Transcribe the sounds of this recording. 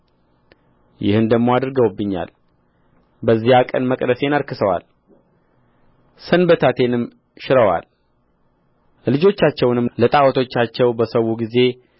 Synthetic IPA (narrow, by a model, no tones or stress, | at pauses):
jɪ̰hɨnd̪əɡmo̞ad̪ɾɨɡəwbːɨɲːa̰l | bəzːihakʼə̰nməkʼd̪əse̞nəɾkɨsəwa̰l | sənbət̪ʰat̪ʰe̞nɨm | ʃɪɾəwa̰l | lɨd͡ʒo̞t͡ʃːat͡ʃːɛwnɨmlət̪ʼawət̪ʰo̞t͡ʃːat͡ʃːɛwbəsəwuɡize̞